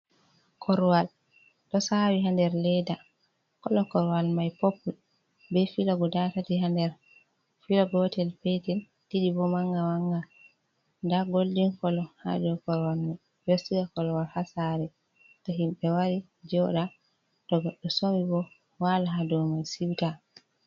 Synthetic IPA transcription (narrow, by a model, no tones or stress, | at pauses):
kʰɔɾwal | ɗɔsawiɦandɛɾlɛda | kɔlɔkɔɾwalmajpopːu | bɛfilɔɡɔdatatiɦandɛɾ | filɔɡɔtɛlpɛtɛn | tiɗibɔmaŋɡawaŋɡa | ndaɡoldiŋkɔlɔha̰d͡ʒɔkɔɾwalmaj | bestiɡakɔlwalhasaɾɛ | tɔɦimɓɛwaɾi | d͡ʒɔɗa | dɔɡɔɗːɔsomibɔ | walaɦadɔmajsiwka